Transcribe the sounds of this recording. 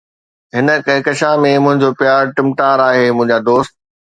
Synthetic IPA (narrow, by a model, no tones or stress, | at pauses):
ɦɪnə̆kɐɦɪkɐʃãmẽmʊ̃ɦɪ̃ɲd͡ʑoːpjaːɾʈɪ̃mʈaːɾaːɦeːmʊ̃ɦɪ̃ɲd͡ʑaːd̪oːst̪̚